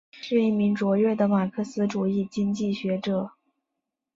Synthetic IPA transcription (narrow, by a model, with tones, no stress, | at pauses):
ʂɻ̩˥˧i˥˩mi˧˥ŋt͡swɔ˧˥ɥɛ˥˩d̪ə˩ma˨˩kʰɤ˥˩sɹ̩˥ʈ͡ʂu˨˩i˥˩t͡ɕi˥ŋt͡ɕi˥˩ɕɥɛ˧˥ʈ͡ʂɤ˨˩˦